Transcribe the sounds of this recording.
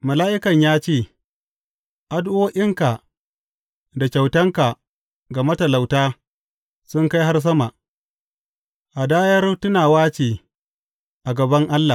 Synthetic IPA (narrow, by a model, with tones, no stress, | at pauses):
mɐ˨laː˦ʔɪ˦kɐ˨ɲjaː˦t͡ʃeː˦˨ | ʔa˨dʔʊ˦oː˦ʔɪ˦ŋka˨ | da˨kʲa˨wtɐ˦ŋka˨ | ɡa˨mɐ˦tɐ˨la˨wtaː˦ | sʊ˦ŋka˦jɦa˦rs̬ɐ˦ma˨ | ʔa˨daː˦jɐ˦rtʊ˦naː˨waː˦t͡ʃeː˨ | ʔa˨ɡɐ˨bɐ˦ŋʔa˦lːa˨